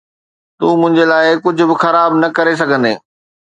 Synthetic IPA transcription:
t̪uːmʊ̃ɦɪ̃ɲd͡ʑelaːɪkʊd͡ʑʱʊ̆bɪxɐɾaːbnɐkɐɾes̬ɐɡʱə̃nd̪ḛː

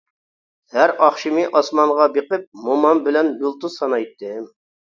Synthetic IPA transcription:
hæɾɑχʃimiʔɑsmɑɴʁɑbeqɨp̚momɑnbɪlɛnbulˠt̪usɑnɑjt̪ʰːɨm

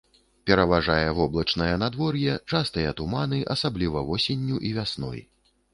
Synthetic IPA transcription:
pʲɛɾɐvaʐajɛvɔblˠɐt͡ʂnɐjɐnad̪vɔrjɛt͡ʂast̪ɐjɐt̪umanɨʔɐsablʲivɐvɔsʲenʲːuʔivʲasnɔ̰j

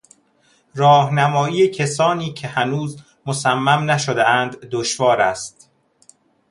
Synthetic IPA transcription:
ɾɒːhnæmɒːiːecʰesɒːniːcʰe̞hænuːz | mosæmːæmnæʃod̪eænd̪ːoʃvɒːɾæst̪

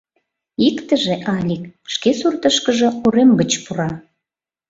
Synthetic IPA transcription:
ikt̪əʒeʔɑlʲik̚ʃkesurt̪əʃkəʒɤ̆uɾemɡət͡ɕpuɾɑ

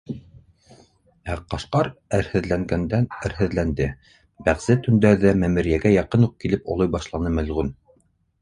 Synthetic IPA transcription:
æqɑʃqɑɾæɾhɘ̆ðlæŋɡænd̪ænæ̆ɾɦɘ̆ðlænd̪ɘ | bæʁzɘt̪ɵ̆nd̪æɾðæmæmɘ̆ɾjæɡæjɑqɤnuq̚kilɘpŏ̰lˠɤjbɑʃlˠɑnɤmɘ̆lʁʉn

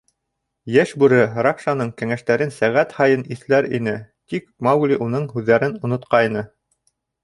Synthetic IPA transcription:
jæʃbʉɾɘɾɑkʃɑnɤɴkæŋæʃt̪æɾɘnsæʁæt̪hɑjɤniθlæɾḭnɘt̪ikmɑwɡlʲiʔunɤɴhʉðːæɾɘnŏnŏt̪qɑjnɤ

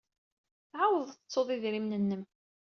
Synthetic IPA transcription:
θʕawəðˤθət͡sːoðˤiðɾimnənːəm

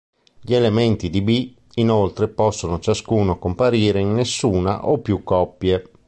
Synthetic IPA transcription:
ʎielement̪id̪ibi | inolt̪ɾepɔsːonot͡ʃaskuːnokompaɾiːɾeinːesːuːna̰ʔopːjukːɔpːje

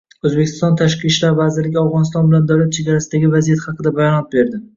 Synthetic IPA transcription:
ɵzbekʰʲːɪ̥st̪ɒnt̪ʰaʃqiʃlaɾvazɪɾlɪɡʲɪawʁɒnɪst̪ɒnbɪland̪awlat̪̚t͡ʃʰe̞ɡʲaɾasɪd̪aɡʲɪvazijat̪hɑqʰɨd̪abajɒnɒt̪̚be̞ɾd̪ɪ

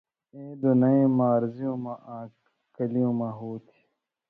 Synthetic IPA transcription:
eːd̪unɐẽmaːɾzijõːmãʔaː | kɐlijõːmãɦuːt̪ʰi̥

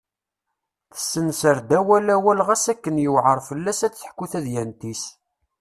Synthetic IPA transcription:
θə̥sːənsəɾd̪æwælæwælʁæsækːənjəwʕəɾˤfəlːæsæt͡sːə̥ħkːuθæðjænt̪is

